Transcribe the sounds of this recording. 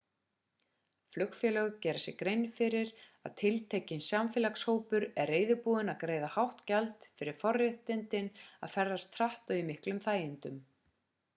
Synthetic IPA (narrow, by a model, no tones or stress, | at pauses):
flʏkfjɛlœɣcɛːɾasjɛkɾejnfɪɾɪɾa̰ðt̪ʰɪlt̪ʰeːcɪnsjamfɪlakshoːwpʏɾɛɾeːjðʏpuːðɪnaðkɾeːjðahawht̪calt̪fɪɾɪɾ̥fɔrɛht̪ɪnt̪ɪna̰ðfɛɾðast̪ʰɾaht̪ɔwimɪhklʏmθaːjɪnt̪ʏm